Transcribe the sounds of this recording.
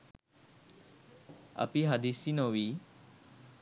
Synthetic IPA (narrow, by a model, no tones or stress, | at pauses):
ɐ̰piɦɐd̪isinoʋi